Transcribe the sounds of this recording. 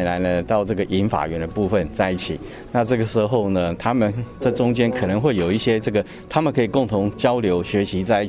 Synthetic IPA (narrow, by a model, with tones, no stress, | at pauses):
nla˧˥ɪnə˧t̪ɑ˥˧ʊʈ͡ʂɤ˥˩ɡə˩ʔi˧˥nfa̰˨˩ɥɛ˧˥nd̪ə˧pu˥˧fə˨nt͡sa˥˧ɪi˥˩t͡ɕʰi˨˩ | na˥˧ʈ͡ʂɤ˥˩ɡə˩ʂɻ̩˧˥xo˥˩ʊnə˩t̪ʰa˥mə˨nʈ͡ʂɤ˥˩ʈ͡ʂʊ˥ŋt͡ɕjɛ˥nkʰɤ˨˩nɤ˧˥ŋxwe˥˩ɪjo˨˩ʊi˥˩ɕjɛ˥ʈ͡ʂɤ˥˩ɡə˩ | t̪ʰa˥mə˨nkʰɤ˧˥i˨˩kʊ˥˩ŋt̪ʰʊ˧˥ŋt͡ɕjɑ˥ʊljo˧˥ʊɕɥɛ˧˥ɕi˧˥t͡sa˥˧ɪi˥˩